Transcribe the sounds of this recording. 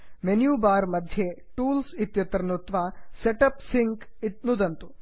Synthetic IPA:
menjuːbaːɾmɐd̪ʱje | ʈuːlsit̪jɐt̪ɾɐnut̪ʋaːseʈɐpsiŋkit̪̚nud̪ɐnt̪u

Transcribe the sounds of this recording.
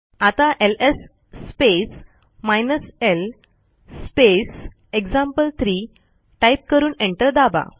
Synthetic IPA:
at̪ãʔelesː | pes | majnəsel | spes | ekd͡zãmpəlt̪ʰɾiː | ʈajp̚kəɾuːnẽɳʈəɾd̪aba̰

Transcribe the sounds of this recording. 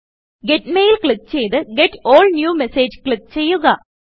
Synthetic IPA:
ɡe̞tmejilkɭikt͡ɕe̞jt̪ɨɡeʈːoːɭnjuːmeseːd͡ʑkɭik̚t͡ɕe̞jːuɣɐ

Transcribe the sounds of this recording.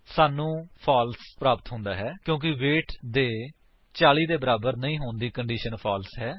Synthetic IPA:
saːnũːpʰaːlspɾaːpət̪ɦʊ̃nd̪aːɦɛːkjõːk̬ɪʋeːʈʰd̪eː | t͡ʃaːliːd̪eːbəɾaːbəɾnəĩːɦoːnd̪iːkəɳɖiːʃənpʰaːlsɦɛː

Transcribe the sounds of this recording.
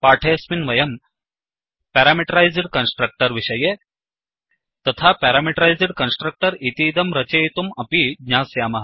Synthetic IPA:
paːʈʰeːsminʋɐjɐm | pɛːɾaːmiʈɐɾajziɽkɐnsʈɾɐk̚ʈɐɾʋiʃɐje | t̪ɐt̪ʰapɛːɾaːmiʈɾajziɽkɐnsʈɾɐk̚ʈɐɾit̪iːd̪ɐmɾɐt͡ʃeːt̪umɐpidɲaːsjaːmɐɦ

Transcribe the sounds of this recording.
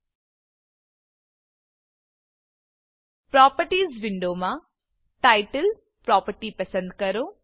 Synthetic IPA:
pɾɔːpəɾʈiːzʋɪɳɖoːmã | ʈaːɪʈəl | pɾɔːpəɾʈipɐsə̃nd̪kɐɾoː

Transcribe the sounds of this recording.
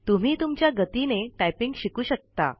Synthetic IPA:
t̪um̤iːt̪umt͡ɕjaɡət̪ineʈajpiŋɡɕikuːɕək̚t̪a̰

